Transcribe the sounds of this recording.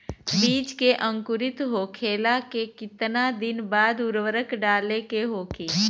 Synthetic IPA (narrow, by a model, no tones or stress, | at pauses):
biːd͡ʒkeʔə̃ŋkʊɾɪt̪ɦokʰeːlakekɪt̪nad̪ɪnbaːd̪ʊɾwəɾəkɖaːlekeɦoːkiː